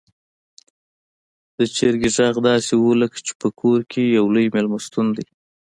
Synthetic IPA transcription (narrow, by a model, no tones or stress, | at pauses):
d̪̥ət͡ʃeɾɡeʒɑɣd̪ɑsewoləkt͡ʃe̥pəkʰoɾkʰejawləjmelmast̪und̪i